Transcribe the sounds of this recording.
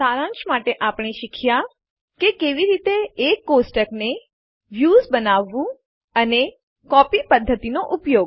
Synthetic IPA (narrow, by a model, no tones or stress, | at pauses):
saɾãnt͡ʃmaʈeʔapɳ̃eʃikʰja | kekeʋiɾit̪eːkːosʈəkne | ʋjuːzbənaʋːũ | əne | kɔpipəd̪ʱːət̪inoʔʊpjoɡ